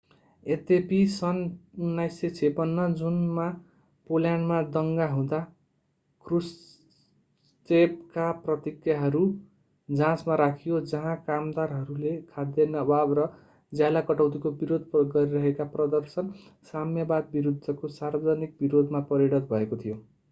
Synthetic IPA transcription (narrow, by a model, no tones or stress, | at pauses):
et̪episʌnunːajset͡sʰepʌnːʌd͡zunma | poljanmad̪ʌŋɡaɦũd̪a | krus | tep̚kaprʌt̪ikjaɦʌɾu | d͡zãsmaɾakʰijod͡zʌɦãkamd̪arɦʌɾulekʰad̪jʌnʌbʱabrʌ | d͡zjalakʌʈʌwt̪ikobiɾod̪ʱpɡʌɾiɾʌɦekaprʌd̪ʌrsʌnsamjʌbad̪̚biɾud̪ʱːʌkosarbʌd͡zʌnik̚biɾod̪ʱmapʌɾiɽʌt̪bʱʌekot̪ʰijo